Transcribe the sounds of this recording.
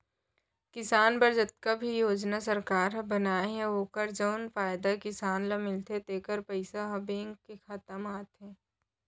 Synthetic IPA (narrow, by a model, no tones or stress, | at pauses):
kɪsaːnbɐɾd͡ʒɐt̪̚kabʱijoːd͡ʒnasɐɾkaːɾbɐnaːeɦɛ̃oːkəɾd͡ʒəʊnfaːjd̪akɪsaːnlamɪlt̪et̪eːkəɾpɐɪsaɦɐbeːŋɡkexat̪əmaːt̪ɦɛ̃ː